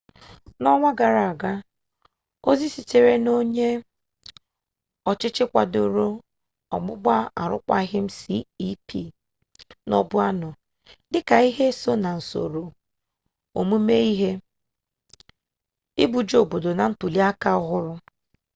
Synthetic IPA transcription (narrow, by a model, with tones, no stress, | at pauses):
nɔ˦ŋʷa˦ɡa˨ɾa˨a˨ɡa˦ | o˦zi˦si˨t͡ʃe˨ɾe˦no˦ɲe˦ | ɔ˨t͡ʃɪ˦t͡ʃɪ˦kʷa̰˨do˨ɾo˦ | ɔ̰˨ɡ͡bʊ˦ɡ͡ba˦a̰˨ɾʊ̰˦kʷa̰˦ɦɪ˦m̩˦sḭ˦i˦pʰḭ˨ | nɔ̰˦bʊ˦a˦nɔ˨ | dɪ˦ka˨i˦ɦe˦so˦na˨n̩˨so̰˨ɾo˨ | o̰˨mu˦me˦i˦ɦe˦ | ɪ˦bu˨d͡ʒo˨bo˨do˨na˨n̩˦tu˨li˦a˦ka˦ɣʊ˦ɾʊ˦